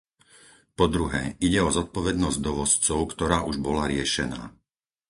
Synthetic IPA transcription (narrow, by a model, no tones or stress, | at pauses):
pɔd̪ɾuɦɛːʔiɟɛɔzɔt̪̚pɔʋɛd̪nɔzɟd̪ɔʋɔst͡sɔʊkt̪ɔɾaːʔuʒbɔlaɾɪɛʃɛna̰ː